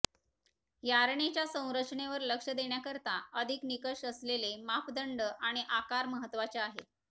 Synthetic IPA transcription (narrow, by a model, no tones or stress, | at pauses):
jaɾɳet͡ɕjasə̃w̃ɾəʂɳeʋəɾləkʂəd̪eɳjakəɾt̪aəd̪ʱiknikəʂəslelemapd̪əɳɖəʔaɽ̃iʔakaɾməɦət̪ːʋat͡ɕeaɦe